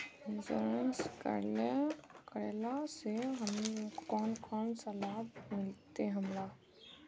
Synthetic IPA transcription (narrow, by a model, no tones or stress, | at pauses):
səɾənskə̰ɾlekəɾelaseɦəmkɔːnkɔːnsɐlaːbmɪlt̪eɦəmɾa